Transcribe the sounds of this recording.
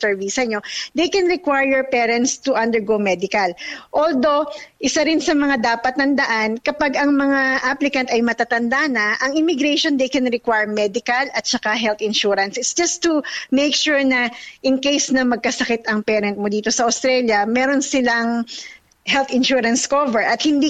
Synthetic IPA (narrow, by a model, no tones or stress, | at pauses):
sɛɹvisɐɲo̞d̪ejkɛnɹɪkwajɹjɛɹpɛːɾɛnt̪st̪uʔɐ̃nd̪ɛɹɡowmɛd̪ɪkɐlʔold̪o̞ʔɪsaɾɪnsɐmɐŋad̪aːpɐt̪̚nɐnd̪ɐʔankɐpaɡɐŋmɐŋaʔaplɪkɐnt̪ɐjmɐt̪aːt̪ɐnd̪anɐʔɐŋɪmɪɡɾɛjʃond̪ejkɛnɹɪkwajɹmɛd̪ɪkɐlɐt̪̚t͡ʃɐkaɦɛlt̪ɪ̃nʃuɾɐnsɪt̪sd͡ʒɐst̪umejkʃuɹnɐʔɪnkejsnɐŋmɐɡ̚kɐsɐkɪt̪ɐŋpɛːɾɐnt̪̚mod̪iːt̪o̞sɐʔɐʊst̪ɾɛljɐmɛɾonsɪlaŋ | hɛlt̪ɪnʃuɾɐnskovɛɹʔɐt̪̚hɪnd̪i